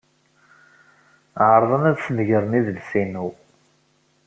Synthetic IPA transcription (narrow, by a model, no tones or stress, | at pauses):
ʕəɾˤðˤənæðsənʝəɾˤəniðlsinuw